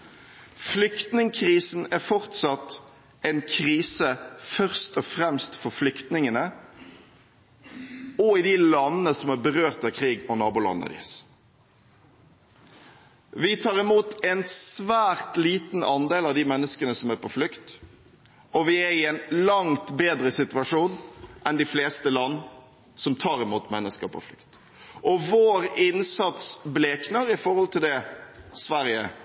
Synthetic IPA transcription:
flʏkt̪nɪŋkʰɾiːsn̩æɾfɔʁt̪sɑt̪ | ɛɪnkʰɾiːsəfœʁst̪ɔfɾɛmst̪fɔɾflʏkt̪nɪŋənə | ɔɪd̪ɪlɑnːəəsɔmæːbəʁøːʁt̪ɑkʰʁiːɡɔnɑːbʊːlɑ̰nːə̰d̪ɪ̰ːs | ʋɪt̪ʰɑːʁɪmuːt̪ɛnsʋæːʁt̪liːt̪n̩ʔɑnd̪eːlɑʋd̪iːmɛnːəskənəsɔmæɾpʰɔflʉkt̪ | ɔʋɪæɾɪɛnlɑŋt̪beːd̪ɾəsɪt̪ʉɑʂuːnʔɛnd̪ɪfleːst̪əlɑnː | sɔmt̪ʰɑːɾɪmuːt̪mɛnːəskəɾpʰɔ̰flʉ̰kt̪ | ʔɔʋoːɾɪnsɑt̪sbleːknəɾɪfɔɾhɔlt̪ʰɪld̪ɛsʋæɾjə

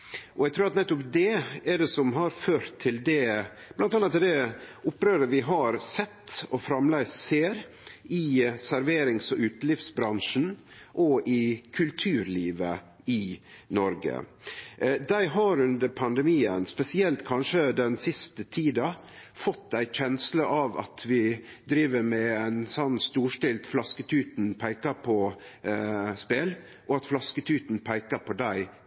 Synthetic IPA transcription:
ʔɔɛɡt̪ʰɾʉːɾɑt̪nɛt̪ːʊpd̪ɛɛɖɛsɔmɦɑɾføːɾt̪ʰːɪld̪ɛ | b̥lɑnt̪ɑnːɑt̪ːɛd̪ɛʊpːɾøːɾəʋɪɦɑɾsɛt̪ːɔfɾɑmlæɪsseːɾ | ɪsæɾʋeːɾɪŋsɔʔʉːt̪lɪfsbɾɑnʂn̩ | ʔɔʔɪkʰʉlt̪ʰʉːɾliːʋə̰ | ɪnɔɾɡə̰ | d̪æɪɦɑɾʉnd̪əɾpʰɑnd̪ɛmiːə̰nspɛsɪɛlt̪kʰɑnʂəd̪ɛnsɪst̪ət̪ʰiːd̪ɑ | fɔt̪ːæɪc͡çɛnsləʔɑʋɑ̰t̪ʰʋɪ | d̪ɾiːʋəɾmɛæɪnsɔnːst̪uːʂʈɪlt̪flɑskət̪ʰʉːt̪npʰæɪkəpʰɔ | speːl | ʔɔɑt̪flɑskət̪ʰʉːt̪n̩pʰæɪkəɾpʰɔd̪æɪ

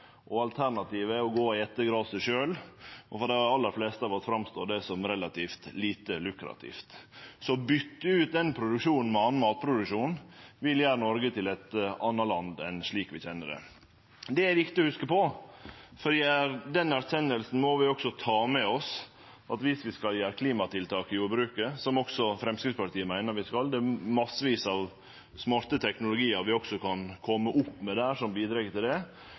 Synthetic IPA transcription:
ʔɔɑlt̪ʰæɾɳɑt̪iːʋəɔɡoːɪɛt̪ːəɡɾɑːd̪sɛʂøːlɔfɔɾd̪ɛɑlːəɾfleːst̪əɑɾʋɑt̪fɾɑmst̪oːd̪ɛsɔmɾɛlɑt̪ʰiːft̪liːt̪əlʉkɾɑ̰t̪ʰḭːft̪sɔbʏt̪ːəʉːt̪̚d̪ɛnpʰɾʊd̪ʉkʂuːnn̩mɛɑnmɑːt̪̚pʰɾʊd̪ʉkʂuːnn̩ʋɪljæːɾənɔɾɡət̪ʰɪlɛt̪ɑnːɑlɑnd̪ɛ̰nʂɭiːkʋɪçɛnːəd̪ɛ̰ | d̪ɛæɾʋɪkt̪ɪɔhʉskəpɔ | fɔd̪iːæɾd̪ɛnæɾsɛnːəlsn̩mɔʋɪɔksɔt̪ʰɑːmɛɔs | ʔɑt̪ʋɪsʋɪskɑljæːɾkʰliːmɑt̪ʰɪlt̪ʰɑːkɪjuːɾbɾʉːkəsɔmɔksɔfɾɛmskɾɪspɑʈ̪ʰiːəmæɪnəɾʋɪskɑld̪ɛæmɑsːəʋiːsɑʋ | smɑɾt̪ət̪ʰɛknʊlʊɡiːəɾʋɪɔksɔkʰɑnkʰɔmːəʔʊpːmɛd̪æːʂɔmbiːd̪ɾɑɡt̪ɪld̪ɛ

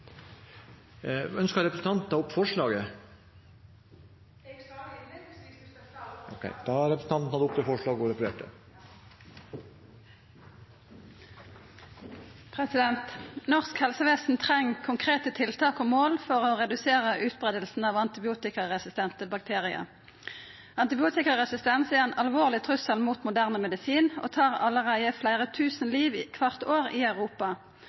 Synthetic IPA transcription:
œnskəɾɛpɾəsn̩t̪ɑnt̪n̩ɑʊpːfɔʂɭɑːɡə | ɔkʰɛ̰ɪd̪̥ɑɾɛpɾəsn̩ʰɑnt̪n̩hɑd̪əʊpt̪ɛlfɔʂɭɑːɡɔɾɛpɖḛːʈə̰ | pʰʁɛsɪd̪ɛnt̪nɔʁskhɛlsəʋeːsn̩t̪ʰʁɛŋkʰʊŋkʰʁeːt̪ət̪ʰɪlt̪ʰɑːkoːmoːlfɔʁoːʁɛd̪ʉseːʁəʔʉːt̪̚bʁeːd̪əlsn̩ɑːʋɑnt̪ɪbɪuːt̪ɪkɑʁɛsɪst̪ɛnt̪əbɑk̚t̪ʰeːʁɪə̰ | ɑnt̪ɪbɪuːt̪ɪkɑʁɛsɪst̪ɛnsɪɛnʔɑlʋoːʁlɪt̪ʰʁʉsəlmuːt̪mʊd̪æʁnəmɛd̪ɪsiːno̰ːt̪ʰɑːʁɑləʁæɪəflæɪʁət̪ʰʉːsn̩liːʋikʰʋɑʁt̪oːʁiːœʉʁuːpɑ

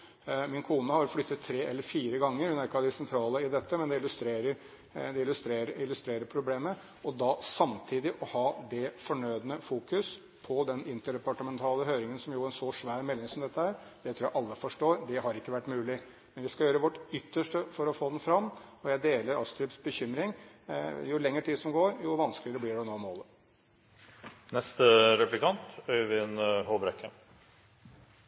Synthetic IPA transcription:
mɪnkʰuːnəhɑɾflʏt̪ːət̪ʰːɾeːɛlːəɾfiːɾəɡɑŋːəɾhʉnæɾɪkːəɑd̪ɪsɛnt̪ʰɾɑːləɪd̪ɛt̪ʰːəmɛnd̪ɛɪlːʉst̪ɾeːɾəɾ | d̪ɛɪlʉst̪ɾeːɾəɪlːʉst̪ɾeːɾəɾpʰɾʊbleːmə | ɔd̪ɑsɑmt̪ʰiːd̪ɪʔɔhɑːd̪ɛfɔɳœʏd̪ənəfuːkʉs | pʰɔd̪ɛnɪnt̪əɖɛpɑʈəmɛnt̪ʰɑːləɦøːɾɪŋənsɔmjʊæɛnsɔʂʋæːɾmɛlːɪŋsɔmd̪ɛt̪ːəhæːɾ | d̪̥ɛt̪ʰɾuːjæʔɑlːəfɔʂʈoːɾd̪ɛɦɑɾɪkːəʋæʈːmʉːlɪ | mɛnʋɪskɑjøːɾəʋɔʈʏt̪ːəʂʈəfɔɾɔfoːd̪ɛnfɾɑmːɔjæɪd̪eːləɾɑst̪ɾʉpsbəçʏmɾɪŋ | jʊlɛŋːəʈʰiːd̪sɔmɡoːɾjʊʋɑnsklɪəɾəblɪɖɛnoːmoːlə | nɛst̪əɾɛplɪkʰɑnt̪œʏʋɪnhoːbɾɛkʰːə

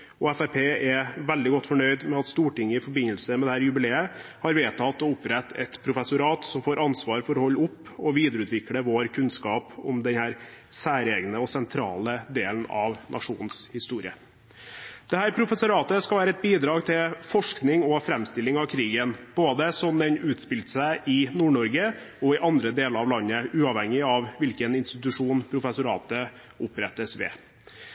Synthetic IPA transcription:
ɔɛfæɾpʰeːɛʋæld̪ɪɡɔt̪ːfɔɳœʏd̪mɛɑt̪st̪uːʈɪŋːəɪfɔɾbɪnːəlsəmɛd̪ɛhæːɾjʉbɪleːəhɑɾʋeːt̪ʰɑt̪ɔʊpɾɛt̪ːɛt̪pʰɾʊfɛsʊɾɑːt̪sɔmfoːɾʔɑnsʋɑːɾfɔɾɔhɔlːəʊpː | ɔʋiːd̪əɾʉːt̪ʰʋɪkləʋoːɾkʰʉnskɑːpɔmd̪ɛnhæːɾsæːɾeːɡnəɔsɛnt̪ʰɾɑ̰ːləd̪eːlnɑʋnʔɑ̰ʂuːnn̩shɪst̪uːɾɪə | d̪̥ɛhæːɾpʰɾʊfɛsʊɾɑːt̪əskɑlʋæːɾəɛt̪̚biːd̪ɾɑːɡt̪ʰɪlfɔʂknɪŋɔfɾɛmst̪ɪlːɪŋɑʋkʰɾiːɡənb̥oːd̪əsɔmd̪ɛnʉːt̪spɪlt̪sæɪʔɪnuːɳɔɾɡəɔɪʔɑnd̪ɾəd̪eːləɾɑʋlɑnːəʉːɑʋhɛŋːɪɑʋʋɪlkənɪnst̪ɪt̪ʉʂuːnpʰɾʊfɛsʊɾɑ̰ːt̪ə | ʊpɾɛt̪ːəsʋɛ̰

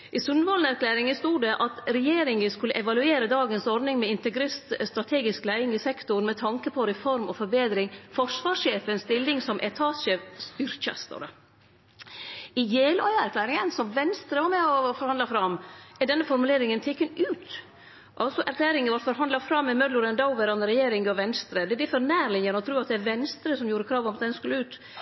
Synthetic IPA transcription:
ʔɪsʉnʋɑːln̩æɾkʰlæːɾɪŋəst̪uːɖɛʔɑt̪ɾɛjeːɾɪŋəskʉləʔɛʋɑlʉeːɾəd̪ɑːɡənsɔɾɖ̪nɪŋmɛɪnt̪ɛɡɾɪst̪st̪ɾɑt̪ʰeːɡɪsklæɪɪŋɪsɛkt̪ʊɾmɛt̪ʰɑŋkəpʰɔɾɛfɔɾmʔɔfɔɾbeːd̪ɾɪŋfɔʂʋɑːʂeːfənst̪ɪlːɪŋsɔmʔɛt̪ʰɑːsʃeːfst̪ʏɾçə̰st̪o̰ɾə | ɪjeːlɔʏəæɾkʰlæːɾɪŋənsɔmʋɛnst̪ɾəʋɑɾmɛɔfɔɾhɑnd̪ɑfɾɑmːɛɖɛnːəfɔɾmʉleːɾɪŋənt̪ʰɛkːənʉːt̪ | ʔɑlsɔʔæɾkʰlæːɾɪŋəʋɑɾfɔɾɦɑnd̪lɑfɾɑmːɛmœd̪lʊɾənd̪ɑʊʋəɾɑnəɾɛjeːɾɪŋɡɔʋɛnst̪ɾəd̪ɛb̪ɪfɔɾnæːɾlɪɲːənɔt̪ʰɾʉːɑt̪̚d̪ɛɛɾʋɛnst̪ɾəsɔmjuːɾəkʰɾɑːʋɔmɑt̪d̪ɛnskʉlːəʉːt̪

